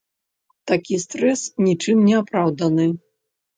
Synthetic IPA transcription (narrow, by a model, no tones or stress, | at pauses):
t̪akʲist̪ɾɛsnʲit͡ʂɨmnʲɛapɾawd̪ɐnɨ